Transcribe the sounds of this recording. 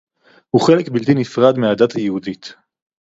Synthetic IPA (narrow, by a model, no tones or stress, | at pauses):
huχe̞lekbilt̪inifʁad̪mead̪at̪ajehud̪it̪